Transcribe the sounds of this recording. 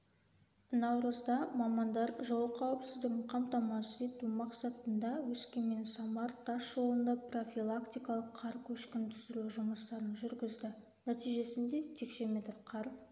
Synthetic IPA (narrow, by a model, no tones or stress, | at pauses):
nɑwɾəzd̪ɑmɑmɑnd̪ɑɾʒolˠəqʰɑwəpsɪzd̪ɪɡʲɪɴqʰɑmt̪ɑmɑset̪umɑqsɑt̪ənd̪ɑwɵskʲe̞me̞nsɑmɑɾt̪ʰɑsʒo̞lˠənd̪ɑpro̞fʲilˠakt̪ijkɑlˠəqʰːɑɾkʲʰɵʃkʲɪnt̪ʰʏ̥sɪɾuʒʊməst̪ɑɾənʒʏɾɡʲɪzd̪ɪ | næt̪ijʒe̞sɪnd̪e̞t̪ʰe̞kʃe̞mʲe̞t̪rqʰɑɾ